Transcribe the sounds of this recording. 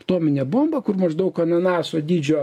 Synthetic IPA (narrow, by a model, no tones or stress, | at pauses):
t̪oɔmʲɪnʲɛbombɐkʊrmɐʒd̪ɐʊkɐnɐnɑːsoːd̪ʲiːd͡ʒʲoː